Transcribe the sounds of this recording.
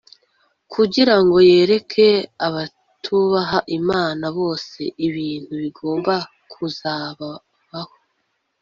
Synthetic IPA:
kʰuɟiɾaŋɡo̞je̞ːɾe̞kʰe̞aβa | tʰuβaɦaʔimaːnaβo̞ːse̞̰ʔiβiːn̥huβiɡo̞ːmba | kʰuzaːβa | βaho

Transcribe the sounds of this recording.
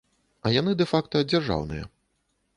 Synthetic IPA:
ɐjanɨd̪ɛfakt̪ɐd͡zʲarʐa̰wnɨ̰jɐ̰

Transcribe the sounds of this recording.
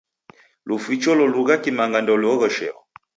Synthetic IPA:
lufit͡ʃɔlɔluɣakimaŋɡandɔlɔɣɔʃɛ̰ɔ̰

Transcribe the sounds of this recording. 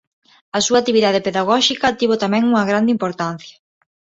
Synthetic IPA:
ɐsuat̪iβiðað̞epeðaɣ̞ɔʃikɐt̪iβot̪amɛ̃ŋuŋɐɣɾand̪eimpoɾt̪an̟θjɐ̥

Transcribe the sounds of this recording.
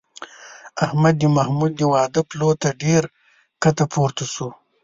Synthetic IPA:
ahmad̪jimahmud̪̚jiwɑːd̪əplot̪aɖeɾ | kat̪apʰoɾt̪asu

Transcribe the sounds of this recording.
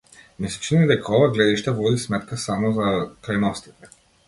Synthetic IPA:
misɛ̥t͡ʃinid̪ɛkaɔvaɡlɛd̪iʃt̪avɔd̪ismɛt̪kasamɔzakɾajnɔst̪it̪ɛ

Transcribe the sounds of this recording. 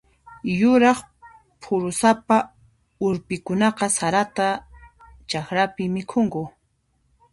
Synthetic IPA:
jʊɾɑχ | pʰʊɾʊsapa | ʊɾpɪkʊnɑqɑsaɾat̪a | t͡ʃaxɾapɪmɪkʰʊŋkʊ

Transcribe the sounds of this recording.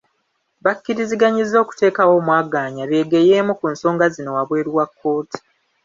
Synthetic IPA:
βakːiɾiziɡaɲizːo̞ːku̥te̞ːkawo̞ːmwaːɡaːɲaβeːɡeje̞ːmukunso̞ːŋɡazino̞waβwe̞ːɾiwakʰːo̞ːti̥

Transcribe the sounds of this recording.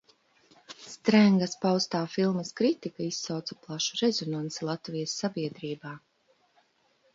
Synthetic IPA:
st̪ɾæŋɡaspawst̪aːfilˠmɐskɾit̪ikaisːawt̪sḁplˠaʃu̥ɾɛzɔnansɛlˠat̪vijɐsːabiɛd̪ɾiːbaː

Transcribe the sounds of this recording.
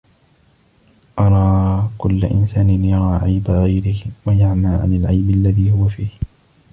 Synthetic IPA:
ʔɑɾˤɑːkʊlːa̰ʔɪ̰nsaːnɪnjɑɾˤɑːʕajbaɣajɾɪhwajaʕmaːʕa̰nalʕajbalːaðiːhʊwafiːh

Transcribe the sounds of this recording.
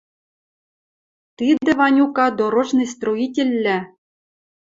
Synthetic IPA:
t̪id̪ɘ̆vɑnʲukɑd̪oɾŏʒnɤ̆st̪ruitʲĕlʲːɘ̆

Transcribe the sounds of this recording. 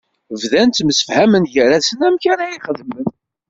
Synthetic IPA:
vðænt̪məsə̥fhæmənʝəɾæsənæmçæɾæjiχəðmən

